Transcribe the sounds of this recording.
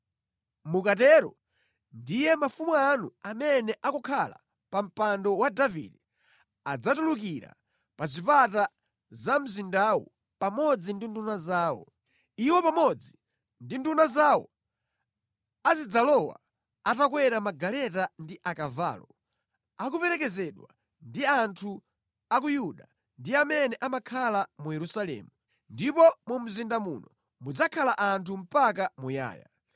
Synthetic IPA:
mukatɛɾɔ̰ | ndijɛmafumuanuamɛnɛʔakɔkʰala̰ | pam̩pandɔwadavḭdɛ | ad͡zatuluk̬iɾa̰ | pazipata | zam̩zindawɔ̰ | pamɔd͡zindindunazaːwɔ̰ | iwɔpamɔd͡zi | ndindunazawɔ̰ | azid͡zalɔwa̰ | atakwɛɾamaɡalɛtandiʔakava̰ːlɔ | ak̬upɛɾɛk̬ɛzɛɗwa̰ | ndiantʰu | ak̬ujuɗa | ndiamɛnɛʔamakʰalamujɛɾusalɛ̰ːmu | ndipɔmum̩zindamunɔ | mud͡zakʰalaʔantʰum̩pak̬amuja̰ːja̰

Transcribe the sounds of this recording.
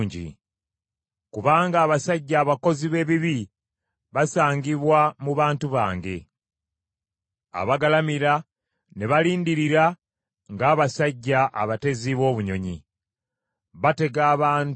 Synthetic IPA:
ɲɟḭ | kuβaːŋɡaːβasaɟːaːβako̞ziβe̞ːβiβi | βasaːŋɡiβwamuβaːntuβa̰ːŋɡe̞ | a̰βaɡalamiɾa | ne̞βaliːndiɾiɾa | ŋɡaːβasaɟːaʔa̰βate̞ziβo̞ːβuɲo̞ɲḭ | βate̞ɡaːβaːn

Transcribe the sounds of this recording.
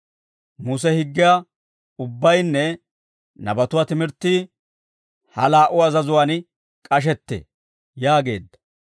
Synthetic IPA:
muːs̬ɛhɪɡːɪja | ʊbːɐjnːɛ | nɐbɐt̪ʊwaːt̪ɪmɪɾt̪ːɪ | hɐlaːʔʊɐzɐzʊwaːn | kʼɐʃ̬ɛt̪ːḛ | jaːɡe̞̰ːd̪ːɐ̥

